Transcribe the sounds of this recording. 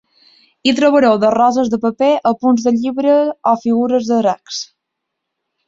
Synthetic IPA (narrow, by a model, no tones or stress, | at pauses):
it̪ɾoβəɾɛwðərɔzəzðəpəpeʔəpunzðəʎiβɾəɔfiɣuɾəzðəɾaks